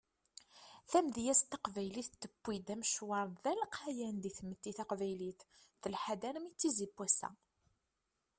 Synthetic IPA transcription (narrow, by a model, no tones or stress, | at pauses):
θæmðjæst̪ɑqvæjliθt̪ːəbːid̪æmʃwɑɾˤðælqʰajænd̪iθmət̪ːiθæqvæjliθθəlħad̪æɾmit͡sːizibːwæsæ̰